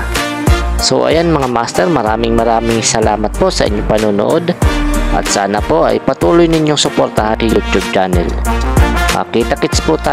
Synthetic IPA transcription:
sowʔɐ̰janmɐŋama̰st̪ɛɾmɐɾaːmɪŋmɐɾaːmɪŋsɐlaːmɐt̪̚po̞sɐʔɪ̰ɲːopɐnuːno̰ʔod̪ʔɐ̰t̪̚saːnapo̞ʔɐ̰jpɐt̪uːlojnɪɲːoŋsʊpoɾt̪ahakɐlod͡ʒoɡ̚d͡ʒanɛ̰l | mɐ̰kiːt̪ɐkɪtspʊt̪a

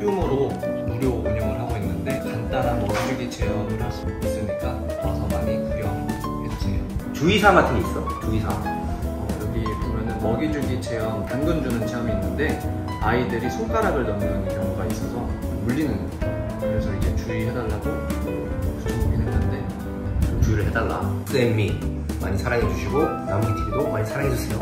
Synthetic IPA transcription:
ɡjuŋɯɾo | nuɾjokoɲʌŋɯɭɦaɡoinːɯnde̞kant͈ananmʌɡid͡ʑuɡit͡ɕe̞jʌŋɯaɭs͈ɯmɯis͈ɯɲik͈a | nasʰʌmaɲikɯɡjʌɦaŋo | et͡ɕʰet͡ɕuisʰamatʰeis͈ʌt͡ɕuisʰa | ʌkɯɾʌɡipomjʌnɯnmʌɡid͡ʑuɡit͡ɕʰe̞jʌŋtanɡɯnd͡ʑunɯnt͡ɕʰeʌmiːnːɯnde̞ | aidɯɾisʰok͈aɾaɡɯɭtʌmɡɯnkjʌŋuɡais͈ʌsʰʌ | muʎːinɯnɡʌ | kɯɾe̞sʰʌid͡ʑe̞t͡ɕuiɭɦe̞daɭːado | ooɡinanɯnde̞ | ot͡ɕuiɾɯɭɦe̞dalːa̰s͈ɯemːi | ma̰ɲisʰaɾaŋɦed͡ʑuɕʰiɡo | namɡitʰeɡidomaɲisʰaɾaŋɦed͡ʑus͈ʰejo

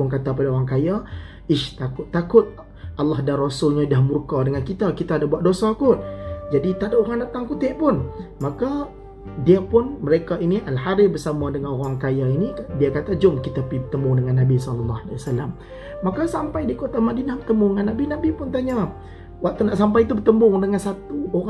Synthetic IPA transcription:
ʊŋkat̪ap̬adaoɣaŋkaja | ɪʃt̪akʊt̪ːakʊt̪̚ | ʔɑlːɑhdarɔsʊlɲadahmurkadəŋankit̪akit̪aːdabuat̪̚dosakʊt̪̚d͡ʒadit̪adaʔoɾaŋdat̪aŋkut̪ɪʔpʊnmaka | diapʊnməɾekainiʔalhaɾɪbərsamadəŋanoɾaŋkajainikdiakat̪ad͡ʒʊmkit̪apibət̪əmʊŋdəŋanːabisɔləlːahala̰wasalamː | akasampajdikot̪amadinahbət̪əmbuŋanːabinabipʊnt̪aɲa | wak̚t̪unaʔsampajt̪ubət̪əmbʊŋdəŋansat̪uoɾa

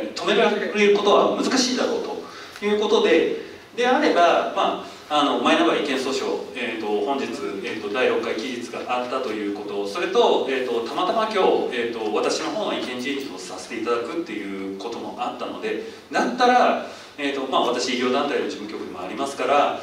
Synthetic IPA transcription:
t̪o̞me̞ɾɾeɾɯ̟ko̞t̪o̞βa̰mɯ̟zɨkaɕiːd̪aɾo̞ːt̪o̞ | jɯ̟ːko̞t̪o̞d̪e̞ | d̪e̞aɾe̞bamaː | no̞maenaɡaɾaikẽ̞ɰ̃so̞ːɕoeːt̪o̞hõ̞ɲ̟d͡ʑit͡sɨeːt̪ːo̞d̪aiɾo̞kːaikʲiʑit͡sɨɡa̰ʔat̪ːat̪o̞jɯ̟ːko̞t̪o̞so̞ɾe̞t̪o̞e̞ːt̪ːo̞t̪amat̪amakʲo̞ːeːt̪ːo̞βat̪aɕino̞ɦo̞ːβaikẽ̞ɲ̟d͡ʑĩɲd͡ʑiosase̥t̪e̞it̪ad̪akɯ̟t̪ːe̞jɯ̟ːko̞t̪o̞mo̞̰ʔat̪ːano̞d̪e̞ | nãnt̪aɾa | eːt̪o̞maβat̪aɕiːɡʲo̞ːd̪ãnt̪ainoʑibɯ̟ŋkʲo̞kɯ̟d̪emo̞a̰ɾʲimasɨ̥kaɾa

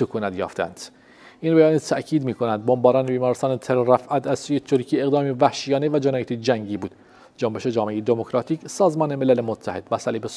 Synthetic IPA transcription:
okʰuːnæt̪jɒ̰ːft̪eæ̰nd̪̥ | ʔiːnbæjɒːnit̪ʰæʔcʰiːd̪miːkʰonænd̪̚bombɒːɾɒːnebiːmɒːɾest̪ɑːnet̪ʰeleɾæfʔæt̪ʰæz̥suːjet̪ʰuɾcʰiːe̞ɣd̪ɒːmivæhʃijɒːnevæd͡ʒenɒːjet̪ʰid͡ʒæŋɟiːbuːd̪̥ | d͡ʒombe̞ʃed͡ʒɒːmeejed̪emokɾɒːt̪ʰiːcsɒːzmɒːnemelælemot̪ʰːæhed̪̥væsæliːbes

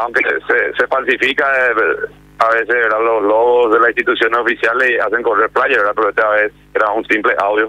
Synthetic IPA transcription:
awŋkesesefals̬ifika | aβes̬esβeɾðalosloɣosðe̞lasinst̪it̪usjo̞nesofisjalesias̬eŋkoreɾflaʝaβeɾðapeɾoet̪eaβeses | eɾaunsimpleʔawðjo

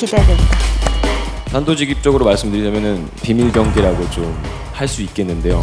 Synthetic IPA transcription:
kidedea | sʰandod͡ʑiɡip̚t͡ɕ͈ʌɡɯɾomaɭs͈ɯmdɯɾid͡ʑʌmjʌnɯn | pimiɭbjʌŋɡeɾaɡot͡ɕom | haɭs͈uik͈̚e̞nːɯnde̞jo

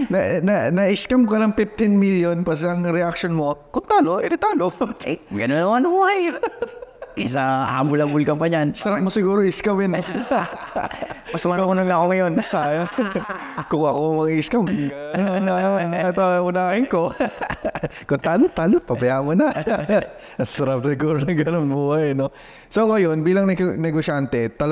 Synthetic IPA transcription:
nɐnɐnɐʔɪskɐmkɐnɐŋfɪft̪ɪnmiljonpɐs̬ɐŋɾɛakʃonmokʊnt̪aːloʔʔɛɾɪt̪aːloɡɐnonɐmanbuhaj | sɐha̰ːmʊlɐbʊlkɐmpaɲansɐɾak̚mosɪɡuːɾoʔɪskamɪn | mɐsmɐaunoŋɐkoŋɐjonɐsaːja | kʊŋɐkomɐɡɪskɐmɡɐnɐɐnɐɐanat̪aʊnaːkɪŋko | kʊt̪aːlot̪aːlopɐbɐjamonɐ | sɐɾap̚sɪɡuːɾonɐɡɐnonbuːhajno | soŋɐjonbiːlɐŋnnɛɡoʃant̪ɛt̪ɐl

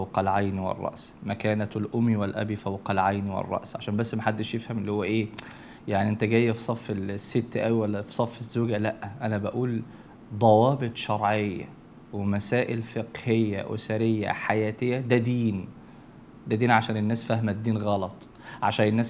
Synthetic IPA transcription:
fæwqɑlʕajniwḛrˤːɑ̰ʔsmækæːnæt̪lʔomːiwelʔæ̰bifæwqɑlʕajniwḛrˤːɑ̰ʔsʕaʃæːnmbæsːmæħad̪ːeʃjefhæmelːihowːæʔeː | jaʕniʔent̪æɡæjːæfisˤɑfːelsːet̪ːʔæwiwælːæfi̥sˤɑfːezːoːɡælæʔʔænæbæʔuːl | d̪ˤɑwɑːbet̪ˤʃɑɾˤʕejːæ̰ | wemæsæːʔelfeqhejːæ̰ʔo̰sæɾejːæ̰ħajæːt̪ejːæd̪æd̪iːn | d̪æd̪iːnʕaʃæːnenːæːsfæhmæd̪ːiːnɣɑlɑt̪ˤ | ʕaʃæːnenːæːs

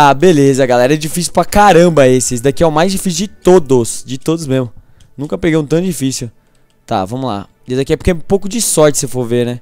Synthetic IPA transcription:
abelezɐɡalɛɾɐɛd͡ʒifisiuwpɾakaɾɐ̃bɐesɪesd̪akiɛwmajzd͡ʒifis̬jʊd͡ʒɪt̪od̪ʊsd͡ʒɪt̪od̪ʊzmezmʊ | nũkɐpeɡejũt̪ɐ̃w̃d͡ʒifisiu | t̪a̰vɐ̃mʊla̰ | ed̪akiɛpoɾkeɛũpowkʊd͡ʒɪsɔɾt͡ʃɪ̥sefoɾveɾnɛ

